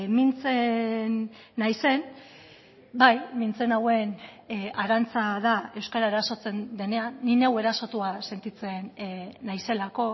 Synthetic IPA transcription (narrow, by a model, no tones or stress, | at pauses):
mint͡se̞nː | ajse̞n | bajmint͡se̞nawe̞n | aɾant͡saðae̞wskaɾaeɾaso̞t͡se̞nd̪e̞ne̞anːinewe̞ɾaso̞t̪uase̞nt̪it͡senːajse̞lako̞